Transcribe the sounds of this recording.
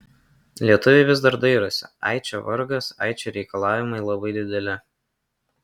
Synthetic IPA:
lʲiɛt̪ʊʋʲɛɪʋʲɪzd̪ɐɾd̪ɐɪɾʊsʲɪɑ̰ɪt͡ʃʲoʋɐɾɡɐsɑ̰ˑɪt͡ʃʲoɾʲɛɪkɐlˠɑːʋʲɪmɐɪlˠɐbɐɪd̪ʲɪd̪ʲɛlʲɪ

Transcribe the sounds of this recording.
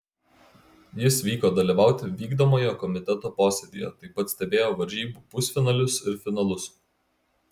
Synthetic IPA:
jɪsʋʲiːkoːd̪ɐlʲiˑʋɑˑʊt̪ʲɪʋʲiːɡd̪oːmoːjoːkɔmʲɪt̪ʲɛt̪oːpoːsʲɛd̪ʲijɛ̰t̪ɐɪpɐt̪sʲt̪ʲɛbʲeːjoːʋɐɾʲʒʲiːbuːpʊsʲfʲɪnɐlʲʊsɪɾfʲɪnɐlˠʊs

